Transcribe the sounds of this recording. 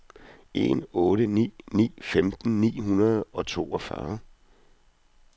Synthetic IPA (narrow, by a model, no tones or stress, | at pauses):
e̝̰nɔ̽ːɾənḭːnḭːfemd̥n̩nḭːhunɐð̞̩ˠɒ̽t͡sʰo̝̰ːɒfɶɐ